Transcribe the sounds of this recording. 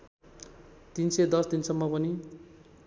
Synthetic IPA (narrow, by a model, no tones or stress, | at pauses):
t̪insejd̪ʌsd̪insʌmːʌpʌni